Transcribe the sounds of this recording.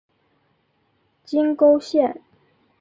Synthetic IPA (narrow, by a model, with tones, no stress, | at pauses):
t͡ɕi˥nko˥ʊɕjɛ˥˩n